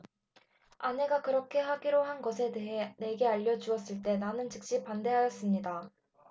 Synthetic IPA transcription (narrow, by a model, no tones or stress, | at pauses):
ane̞ɡakɯɾʌkʰe̞ɦaɡiɾoɦanɡʌsʰe̞eɦene̞ɡe̞aʎːʌd͡ʑuʌs͈ɯɭt͈e̞nanɯnt͡ɕɯk̚ɕ͈ipande̞ɦajʌs͈ɯmɲida